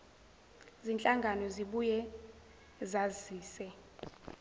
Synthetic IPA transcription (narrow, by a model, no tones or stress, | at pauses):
zint͡ɬʼaŋɡʱanɔziɓujɛ | zaziːsɛ